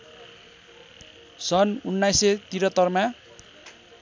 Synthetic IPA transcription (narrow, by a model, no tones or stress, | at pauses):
sʌnunːajset̪iɾʌt̪ʌrmã